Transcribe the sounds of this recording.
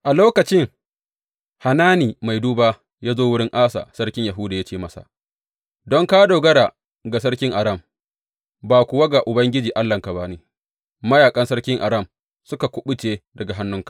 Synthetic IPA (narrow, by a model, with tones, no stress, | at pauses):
ʔa˨loː˦kɐ˨t͡ʃɪ˦ŋ | ha˨naː˦niː˨ma˨jduː˦baː˦ | jaː˦zoː˦wʊ˦ɽɪ˦ŋʔaː˦sa̰ː˨sɐ˦ɽkʲɪ˦ɲja˨ɦʊː˦da˨ja˦t͡ʃeː˦˨mɐ˦sa̰˨ | dɔ˦ŋkaː˦doː˨ɡɐ˦ɽa˨ | ɡa˨s̬ɐ˦rkʲɪ˦ŋʔa˨ɾɐ˦˨m | baː˨kʷʊ˨wa˦ɡa˨ʔʊ˨bɐ˦ŋɡʲɪ˦d͡ʒiː˨ʔa˦lːɐ˨ŋka˨ba˦neː˨ | mɐ˦jaː˨kʼɐ˦nsɐ˦ɽkʲɪ˦ŋʔa˨ɾɐ˦˨m | sʊ˦ka˨kʷʊ˦ɓʊ˦t͡ʃeː˦dɐ˨ɡa˨ɦa˦nːʊ˦ŋkḁ˨ʔ